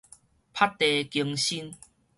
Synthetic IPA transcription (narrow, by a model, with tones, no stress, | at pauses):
pʰa˦˥tt̪ːe˨ki˧əŋɕi˦n